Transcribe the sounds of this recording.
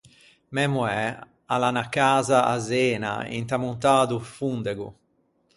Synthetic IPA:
mɛmuɛ | alanakaːzaʔa̰zɛːna̰ḭnt̪amunt̪aːd̪ufund̪eɡṵ

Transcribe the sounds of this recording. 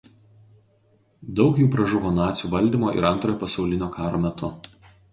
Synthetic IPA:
d̪ɒʊkjuːpɾɐʒʊʋoːnɑːt̪sʲuːʋɐlʲd̪ʲiːmoːʔɪ̰ɾɐnˑt̪ɾoːjoːpɐsɒʊlʲɪnʲoːkʰɑːɾoːmʲɛt̪ʊ

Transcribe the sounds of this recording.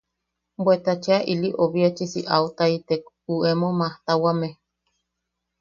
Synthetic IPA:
bwet̪at͡ʃeaʔiliʔoβiat͡ʃisiʔawt̪ait̪ek | uemomaht̪awame

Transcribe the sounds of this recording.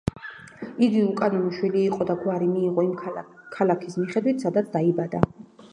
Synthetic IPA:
iɡ̪iukʼad̪imuʃwiliːqʼɔd̪aɡwaɾimiːʁɔimkʰalakʰismiχɛd̪wit̪ʰsad̪at̪sʰd̪aibad̪a

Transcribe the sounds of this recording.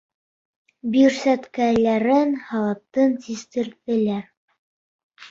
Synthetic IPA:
biɾsæt̪kælæɾɘnhɑlˠɑp̚t̪ɤnt̪ist̪ɘ̆ɾðɘ̆læɾ

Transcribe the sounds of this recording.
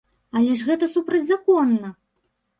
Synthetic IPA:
alʲɛʂɣɛt̪ɐsupɾɐd͡zʲzakɔnːɐ

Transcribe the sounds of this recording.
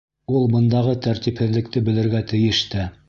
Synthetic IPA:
ulˠbɤ̆nd̪ɑʁɤt̪æɾt̪iphɘ̆ðlɘ̆k̚t̪ɘbɘ̆lɘ̆ɾɡæt̪ɘ̆jɘ̆ʃt̪ɘ

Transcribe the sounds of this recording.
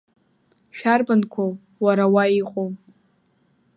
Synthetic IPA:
ʃᶣarbankʷʰo | waɾawaiqʼo

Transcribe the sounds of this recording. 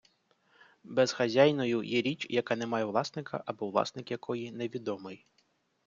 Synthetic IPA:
bɛz̥xɐzʲajnɔjʊjɛɾʲit͡ʃjɐkɑnɛmɑjɛʋlˠɑsnɪkɐ̰ʔɐbɔʋlˠɑ̰snɪkjɐkʰɔjineʋʲid̪ɔmɪj

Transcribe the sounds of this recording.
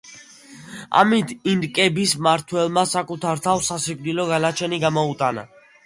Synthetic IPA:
a̰mit̪ʰinɾkʼɛbismaɾt̪ʰwɛlˠmasakʼut̪ʰaɾt̪ʰafsasikʼnilɔɡanat͡ʃʰɛniɡamɔut̪ʼana̰

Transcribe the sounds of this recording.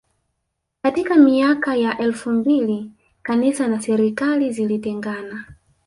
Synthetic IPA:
katikamiakajaʔɛlfumbili | kanisanasɛɾikalizilitɛŋɡana

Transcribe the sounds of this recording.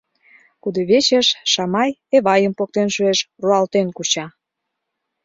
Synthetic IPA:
kud̪oβet͡ɕeʃːɑmɑjeβɑjəmpok̚t̪enʃueʃruɑlt̪enkut͡ɕɑ

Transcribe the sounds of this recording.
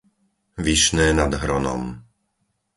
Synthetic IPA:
ʋiʃnɛːnad̪ɦɾɔnɔ̰m

